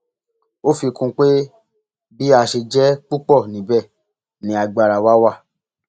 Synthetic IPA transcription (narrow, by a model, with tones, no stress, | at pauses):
o˦fi˧kũ˧k͡pe˦ | bi˦a˧ʃe˧d͡ʒɛ˦k͡pu˦k͡pɔ˦˨nĩ˨bɛ˦˨ | nĩ˨a˧ɡ͡ba˧˨ɾa˨wa˦wa˦˨